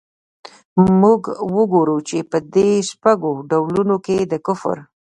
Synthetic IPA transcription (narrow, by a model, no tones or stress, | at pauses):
muɡwəɡoɾut͡ʃepəd̪eʃpaɡoɖawlunoked̪əkʊfə̰ɾ